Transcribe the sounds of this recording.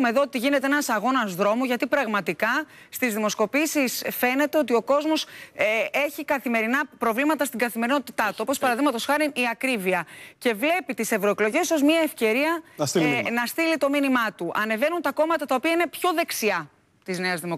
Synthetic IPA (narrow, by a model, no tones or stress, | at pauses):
meðo̞ot̪iʝine̞t̪e̞enɐsɐɣo̞nɐzðɾo̞muʝɐt̪ipɾɐɣmɐt̪ikɐ | st̪izðimo̞sko̞pisisfe̞ne̞t̪e̞o̞t̪io̞ko̞zmos | e̞çikɐθime̞ɾinɐpɾo̞vlimɐt̪ɐst̪iɡɐθime̞ɾino̞t̪it̪ɐt̪uo̞po̞spɐɾɐðiɣmɐt̪o̞sxɐɾiniɐkɾiviɐce̞vle̞pit̪ise̞vɾoeklo̞ʝe̞so̞zmɲɐe̞fce̞ɾiɐsinɐst̪ilit̪o̞minimɐt̪uʔɐne̞ve̞nunt̪ɐko̞mɐt̪ɐt̪ɐo̞piɐine̞pço̞ðe̞ksiɐ | t̪izne̞ɐzðimo